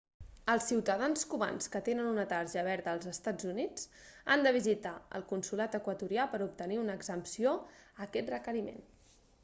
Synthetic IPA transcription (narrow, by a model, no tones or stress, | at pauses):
əlˠsːiwt̪əðanskuβa̰nskət̪enənunət̪aɾʒəβ̞ɛɾðəːlˠzəst̪ad͡zunid͡z | a̰nd̪əβ̞izit̪aə̰lˠkunsulat̪əkwət̪uɾiapəɾup̚t̪əniunəɡzəmpsioəkɛt̪rəkəɾimḛn